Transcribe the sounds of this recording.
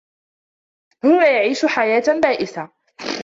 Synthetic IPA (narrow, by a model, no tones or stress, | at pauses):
hʊːnajaʕiːʃʊħajaːt̪baːʔɪθa